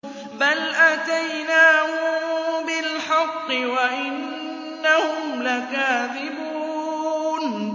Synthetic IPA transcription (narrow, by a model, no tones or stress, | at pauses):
balʔat̪ajnaːhʊbɪlħɑqːɨwaʔɪnː | ahʊmlakaːðɪbuːn